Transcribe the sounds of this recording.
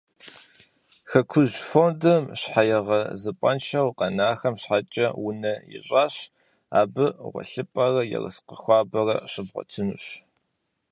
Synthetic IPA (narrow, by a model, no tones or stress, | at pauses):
xɐkʷʰʊʑfoːndɐmɕħajɛʁɐzɨpʷʼɐnʃʰɐwqɐnaːxɐmɕħat͡ʃʼɐwʊnɐjɪ̰ɕʼaːɕ | aːbɨʁʷɔ̰ɬɨpʼɐrɐjɛ̰rə̰sqəxʷɑːbɐrɐ̰ɕɪbʁʷɔ̰tʰɨnɨɕ